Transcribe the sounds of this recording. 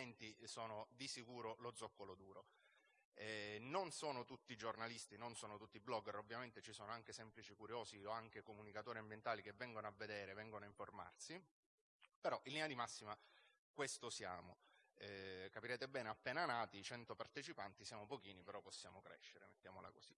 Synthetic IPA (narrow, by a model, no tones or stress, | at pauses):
ɛnt̪isoːnod̪isikuːɾolod̪zːɔkːolod̪uːɾo | ɛnonsoːnot̪ut̪ːid͡ʒornalist̪inonsoːnot̪ut̪ːiblɔɡːɛrobːjament̪et͡ʃisoːnoaŋk̟esɛmplit͡ʃikuɾjoːzioaŋk̟ekomunikat̪oːɾiambjent̪aːlik̟evːɛŋɡonoavːed̪ɛːɾevɛŋɡonoaiɱforma̰rsi | peɾɔʔilːinad̪imasːima | kwest̪osja̰ːmoɛkapiɾɛːt̪ebɛːneapːɛːnanaːt̪it͡ʃɛnt̪opart̪et͡ʃipant̪isjaːmopokiːnipeɾɔpːosːja̰ːmokɾɛ̰ʃːeɾḛmet̪ːjaːmola̰koz̥i̥